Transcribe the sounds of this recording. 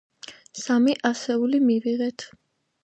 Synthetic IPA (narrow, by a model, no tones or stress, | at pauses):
samiʔasɛulimiviʁɛt̪ʰ